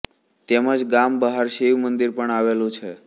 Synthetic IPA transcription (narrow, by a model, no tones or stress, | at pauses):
t̪eməd͡ʒɡambəɦaɾʃiʋmənd̪iɾpəɳaʋelũt͡ʃʰe